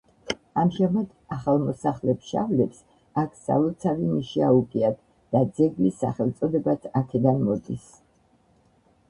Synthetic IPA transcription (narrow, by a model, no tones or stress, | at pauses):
amʒamad̪aχalˠmɔsaχlɛpsʃa̰vlɛps | akʰsa̰vɛlˠt̪sʰavimiʃiaukʼiad̪̚ʰ | d̪̥ad̪zɛɡlisa̰χɛlˠt̪sʼɔd̪ɛbat̪ʰakʰɛd̪anmɔd̪is